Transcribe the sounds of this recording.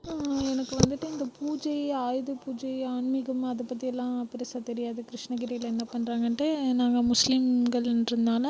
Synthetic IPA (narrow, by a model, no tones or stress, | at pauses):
ɛnɐkːɯʋɐnd̪ɯʈːɯɪnd̪ɐpuːd͡ʒɐɪaːjðɯpuːd͡ʒɐɪaːɳmɪɣɐmɐðɐpːɐt̪ːijɛlːãːpɪɾɪsaːt̪ɛɾɪjaːðɯkɪɾɪʂɳɐɡɪɾɐlɛnːɐpɐɳːɾaːŋɡɐɳʈɯnaːŋɡɐmʊslimɡɐɭɪnɾɯnd̪aːlɐ